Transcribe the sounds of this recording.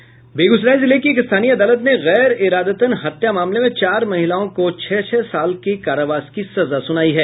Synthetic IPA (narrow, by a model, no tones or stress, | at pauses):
beːɡʊzɾaːizɪlekieːkɪst̪ʰaːniɐd̪aːlət̪neɣɛːɾɪɾaːd̪ət̪ənɦɐt̪jamaːmlemẽt͡ʃaːɾmɐɦɪlaːõkot͡ʃʰɛːt͡ʃʰɛːsaːlkekaːɾoʋaːskisɐzasʊnaːiɦɛː